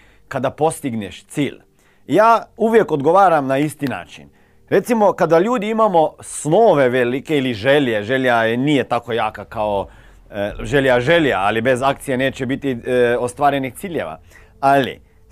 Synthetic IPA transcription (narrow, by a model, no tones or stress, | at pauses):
kad̪apo̞st̪iɡneʃt̪siːʎ | jaːuʋje̞kod̪ɡo̞ʋaːɾamnaist̪ina̰ːt͡ʃḭn | ɾe̞t̪simo̞kad̪aʎuːd̪iimamo̞snoːʋe̞ʋelikeiliʒeljeʒeʎjanije̞t̪ako̞jaːkakao | ʒeljaʒe̞ljaalibe̞zak̚t̪sijeneːt͡ɕebit̪iost̪ʋaːɾe̞nixt̪siːʎḛʋa̰ | alḭ